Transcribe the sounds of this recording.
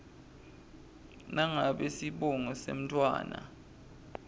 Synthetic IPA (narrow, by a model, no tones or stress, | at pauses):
naŋaɓesiɓɔŋɔsḛm̩tʰʼwa̰ːna̰